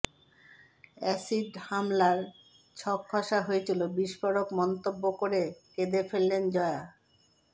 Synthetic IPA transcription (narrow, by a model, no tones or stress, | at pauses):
ɛsiɖhamlaɾ | t͡ɕʰɔkʰːɔʃaɦoet͡ɕʰilobiʃfoɾokmɔnt̪obːokoɾeked̪efelːend͡ʑɔea